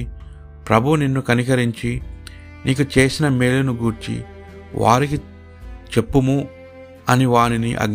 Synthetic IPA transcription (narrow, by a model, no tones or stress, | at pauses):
pɾɐbʱuninːukɐnikɐɾiɲt͡ʃi | nʔiːkut͡ʃe̞ːsinɐmeːlunuɡuːɾt͡ʃḭ | ʋʔa̰ːɾiki | t͡ʃe̞pːumu | ɐniʋaːɾinḭʔɐ̰ɡ